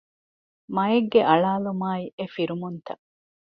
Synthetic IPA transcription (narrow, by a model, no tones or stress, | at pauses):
mɐeɡːeʔɐɭaːlumaːiʔefiɾumunt̪ɐ